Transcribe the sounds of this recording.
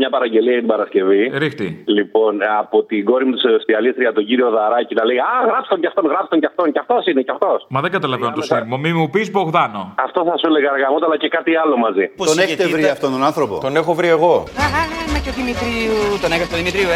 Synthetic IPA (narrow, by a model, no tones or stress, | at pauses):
mɲɐpɐɾɐɲɟe̞liɐjɐt̪ibɐɾɐsce̞viɾixt̪ilipo̞nɐpo̞t̪iɡo̞ɾimut̪iseost̪iɐlist̪ɾiɐt̪o̞ɟiɾio̞ðɐɾɐcinɐleɣɐɐɣɾɐpst̪oɲcɐft̪onɣɾɐpst̪oncɐft̪oncɐft̪o̞sinecɐft̪o̞smɐðeŋɡɐt̪ɐlɐvenont̪osimomimupizboɣðɐno̞ɐft̪o̞θɐsuleɣɐɾɣɐmot̪ɐlɐcekɐt̪iɐlo̞mɐzipot̪oneçet̪evɾiɐft̪ont̪onɐnθɾo̞po̰t̪o̞nexo̞vɾie̞ɣo̞ɐɐɐnɐcoðimit̪ɾiut̪oneɣɐst̪oðimit̪ɾiu